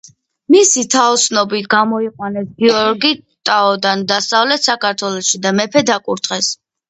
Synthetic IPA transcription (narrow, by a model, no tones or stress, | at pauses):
misit̪ʰaɔt̪snɔbit̪ʰɡamɔiqʼwanɛsɡiɔɾɡit̪ʼaɔd̪and̪asavlɛt̪sakaɾt̪ʰwɛlˠɔsʃid̪amɛpʰɛd̪akʼuɾt̪ʰʼχʼɛs